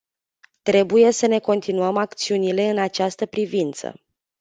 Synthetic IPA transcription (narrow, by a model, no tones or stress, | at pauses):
t̪ɾe̞buje̞səne̞ko̞nt̪inuəmak̚t̪siunile̞ɨnat͡ʃast̪əpɾivint̪sə̰